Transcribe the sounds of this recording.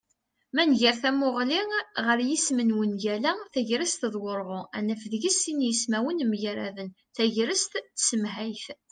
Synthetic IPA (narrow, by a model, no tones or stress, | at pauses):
mænʝəɾθæmʊʁliʁəɾjismənwənʝælæθæʝɾəst̪ðˤwoɾˤʁoænəfəðʝəsinjəsmæwənmʝaɾæ̰ðən | θæʝɾəst̪θsəmɦajθ